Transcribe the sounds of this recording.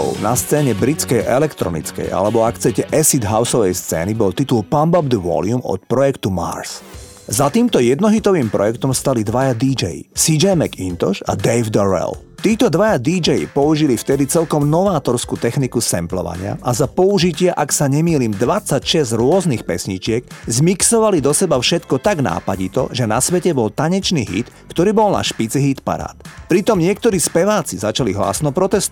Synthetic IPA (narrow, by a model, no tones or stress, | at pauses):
ɔ̰ʊna̰st͡sɛːɲɛbɾit͡skɛjʔɛlɛkt̪ɾɔ̰nḭt͡skɛ̰ja̰lɛbɔakt͡sɛcɛʔɛsid̪ɦaʊsɔʋɛjst͡sɛ̰ːnibɔlt̪it̪ulpambɔbd̪əʋɔ̰lɪumɔ̰t̪̚pɾɔjɛkt̪uma̰ɾs | zat̪iːmt̪ɔjɛd̪nɔɦit̪ɔʋiːmpɾɔ̰jɛkt̪ɔmst̪alid̪ʋajad̪iːd͡ʒɛjḭsid͡ʒɛjmɛkint̪ɔ̰ʃa̰d̪ɛjvd̪ɔɾɛ̰lt̪iːt̪ɔd̪ʋajad̪id͡ʒɛjḭpɔuʒilift̪ɛd̪it͡sɛlkɔmnɔʋaːt̪ɔɾskuːt̪ɛxnikusɛ̰mplɔ̰ʋa̰ɲɪa̰ʔazapɔuʒicɪɛʔaksaɲɛmiːliːmd̪ʋat͡sːacʃɛzɾʊɔznixpɛ̰sɲit͡ʃɪɛɡzmiksɔʋalid̪ɔsɛbafʃɛt̪kɔt̪aɡna̰ːpaɟit̪ɔ̰ʒɛna̰sʋɛcɛbɔlt̪aɲɛt͡ʃniɦḭt̪ | kt̪ɔɾiːbɔlna̰ʃpit͡siɦiːt̪pa̰ɾa̰ːt̪pɾit̪ɔmɲɪɛk̚t̪ɔɾiːspɛʋaːt͡sizat͡ʃaliɦla̰ːsnɔpɾɔt̪ɛst̪u